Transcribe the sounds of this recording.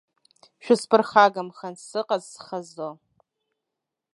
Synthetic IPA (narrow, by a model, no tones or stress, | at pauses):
ʃᶣʊspʰɨrχaɡamχansɨqʼazsχazo